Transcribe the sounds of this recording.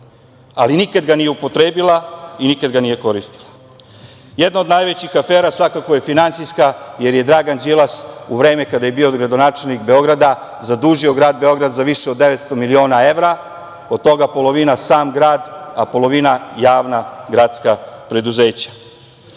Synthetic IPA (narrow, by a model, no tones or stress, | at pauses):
alinikad̪ɡanijeupo̞t̪ɾe̞ːbilˠainikad̪ɡanije̞ko̞ɾist̪i̥lˠa | jed̪nao̞d̪najʋet͡ɕixafeːɾasʋakakoje̞finant̪siskaje̞ɾje̞d̪ɾaɡand͡ʑilˠasuʋɾe̞ːmekad̪ajebioɡɾad̪onaːt͡ʃe̞lnikbe̞o̞ɡɾad̪a | zad̪uːʒio̞ɡɾaːd̪̚be̞o̞ɡɾad̪zaʋiʃeod̪ːe̞ʋet̪st̪o̞milio̞ːnae̞ʋɾa | od̪̚t̪o̞ɡapo̞lˠo̞ʋinasaːmɡɾaːd̪apo̞lˠo̞ʋinajaːʋnaɡɾaːd̪skapɾe̞d̪uze̞ːt͡ɕḁ